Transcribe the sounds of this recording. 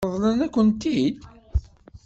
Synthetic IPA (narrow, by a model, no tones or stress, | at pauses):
əðˤlænækʷːənt̪id̪